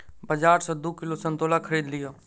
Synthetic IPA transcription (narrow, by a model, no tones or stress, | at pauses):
bəd͡ʒaːɾsɔ̃d̪uːkɪlosə̃nt̪oːlakʰəɾiːd̪lɪjoː